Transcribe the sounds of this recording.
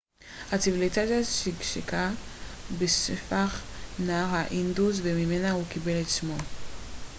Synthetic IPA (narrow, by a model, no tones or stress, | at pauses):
hat͡sivilitazaʃikʃika | besefaχnaaʁhaʔinduzvemime̞nahukibe̞letʃmo̞